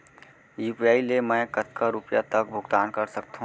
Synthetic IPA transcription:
juːpiaːilemɛ̃ːkət̪kaɾʊpjat̪ək̚bʱʊɡt̪aːnkɐɾsək̚t̪ɦũ

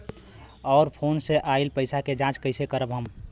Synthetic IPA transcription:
ɔːɾpʰoːnseʔaːilpəɪsaked͡ʒãːt͡ʃkəɪsekəɾəbɦəm

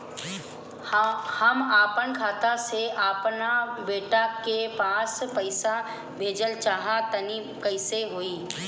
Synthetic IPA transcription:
həmaːpənkʰaːt̪aseʔaːpnabeːʈakepãːspəɪsa | bʱeːd͡ʒəlt͡ʃaːɦat̪ɐni | kəɪseɦoːiː

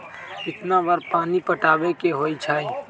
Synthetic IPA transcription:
ɪt̪nabəɾpaːnipəʈaːbekeɦoːit͡ʃʰaːi

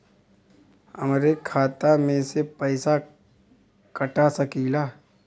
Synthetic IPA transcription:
əmɾekʰaːt̪amẽsepəːɪsa | kəʈasəkiːlaː

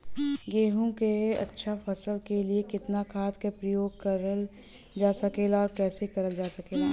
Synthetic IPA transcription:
ɡeːɦõkeɐ̰tːʃʰafʰɐsəlkeliekɪt̪nakʰaːt̪kepɾɐjoːɡ̚kɐɾəl | d͡ʒaːsɐkeːlaɔːɾkɛːsekɐɾəld͡ʒaːsɐkeːla

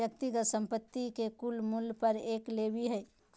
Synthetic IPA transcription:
jək̚t̪iɡət̪sə̃mpət̪ːikekulmulpəɾeːklebiɦɛː

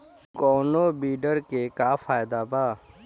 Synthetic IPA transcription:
koːnoːbiːɖəɾkeːkaːfʰaːjd̪aːbaː

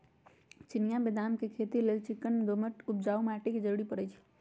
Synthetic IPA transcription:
t͡ʃɪnijabed̪aːmkekʰeːt̪ileːlt͡ʃɪkːənd̪oməʈʊp̚d͡ʒaːumaːʈiked͡ʒəɾuɽipəɾəjt͡ʃʰi̥

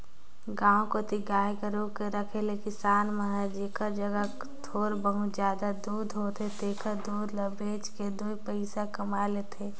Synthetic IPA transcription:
ɡãːõkot̪ʰiɡaːjkəɾõkeɾəkʰelekɪsaːnməɦad͡ʒiːkʰəɾd͡ʒəɡə | t̪ʰoːɾbəɦʊt͡ʃzjaːd̪ad̪uːd̪ʱɦoːt̪ʰet̪eːkʰəd̪uːd̪ləbeːt͡ʃked̪uipəɪsakɐmaːlet̪ʰeː

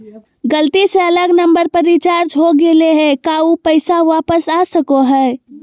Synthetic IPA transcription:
ɡəlt̪iseələɡnəmbəɾpəɾit͡ʃaɾd͡ʒɦoɡeleɦekaupəɪsaʋapəsasəkoɦə

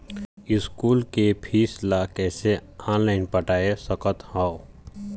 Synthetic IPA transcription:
ɪskuːlkepʰiːslakɛːseaːnlaːɪnpəʈaːesəkət̪haːo

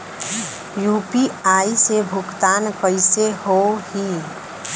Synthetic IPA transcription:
juːpiaːisebʱʊɡt̪aːnkəɪseɦohi

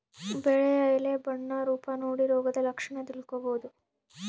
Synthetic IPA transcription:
bɛɭeɐjlebɐɳːɐɾuːpɐnoːɽiɾɔːɡɐd̪ɐlɐkʂɐɳɐt̪ilkoboːd̪u

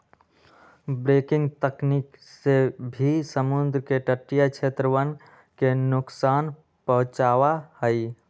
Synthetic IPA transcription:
bɾeːkɪ̃ŋɡt̪əkniksebʱisəmʊnd̪ɾəkeʈəʈːijakʃʰeːt̪ɾəʋən | kenʊksaːn | pəɦʊ̃t͡ʃaːwahəi

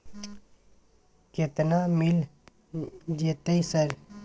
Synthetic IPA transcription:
ket̪namɪl | d͡ʒeːt̪eisəɾ

